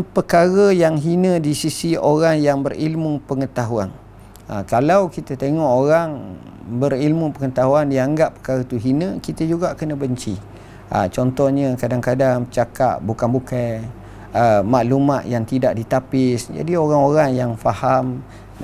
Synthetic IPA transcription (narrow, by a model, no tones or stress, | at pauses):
pəkaɾəjaŋɦinə̃disisioɾaŋjaŋbərilmupəŋət̪aɦuan | ə̰kalawkit̪ət̪eŋɔʔoɾaŋ | bərilmupəŋət̪aɦuandiaŋɡapːə̥kaɾət̪uɦinə̃kit̪əd͡ʒuɡaʔkənə̃bəɲt͡ʃi | ʔa̰t͡ʃɔnt̪ɔhɲəkadaŋkadaŋət͡ʃaka̰ʔ̚bukanbukaj | əmaʔlumat̪jaŋt̪idaʔ̚dit̪apɪsd͡ʒa̰dioɾaŋoɾaŋjaŋfaham